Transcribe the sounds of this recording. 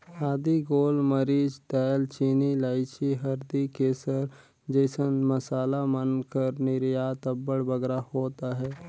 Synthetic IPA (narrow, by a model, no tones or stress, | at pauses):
aːd̪iɡoːlməɾiːd͡ʒt̪ɛːlt͡ʃiːnilaːɪt͡ʃiɦəɾd̪ikeːsəɾ | d͡ʒeːsənməsaːlamənkəɾnɪɾjaːt̪əbːəɽbəɡɾahoːt̪aɦɛː